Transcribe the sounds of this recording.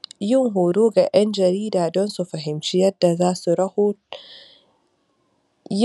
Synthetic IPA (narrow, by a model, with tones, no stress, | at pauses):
jɪ˦ŋɦuː˨doː˦ɡa˨ʔɐ˦nd͡ʒɐ˨ɾiː˦daː˨dɔ˦nsu˨ɸɐ˨ɦɪ˨mt͡ʃi˦jɐ˦dːa˨zaː˦su˨ɾɐ˦hu˦ | j